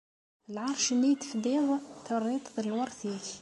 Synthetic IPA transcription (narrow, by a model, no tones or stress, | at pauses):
əlʕɑɾˤʃnːit̪ə̥fd̪iðˤt̪ərːit̪ˤðələlwɑɾˤt̪ik